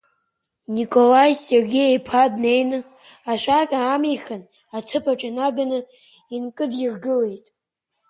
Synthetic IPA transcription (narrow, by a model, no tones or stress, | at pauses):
nikʼo̞lajserɡʲejejpʰadne̞jnɨ | aʃʷakʲʼaːmiχan | at͡sʰɨpʰaʈ͡ʂʼanaɡanɨ | inkʼɨdjirɡɨle̞jtʼ